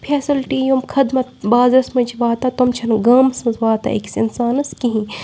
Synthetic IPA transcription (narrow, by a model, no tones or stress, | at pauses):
pʰeːsilʈiːjumkʰɐd̪mɐt̪̚baːzɐsmɐt͡ʃʰiʋaːt̪ɐt̪omt͡ʃʰɐnɡɐːmsɐ̃zʋaːt̪a̰ʔḛksḭnsaːnɐskiɦĩ